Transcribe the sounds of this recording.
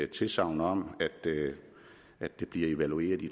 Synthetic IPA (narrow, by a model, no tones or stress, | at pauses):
t͡sʰe̝lsɑ̈ʊ̰nɒ̽m̰æd̥ | æd̥d̥e̝b̥liɐe̝ʋælue̝̰ːɐðˠi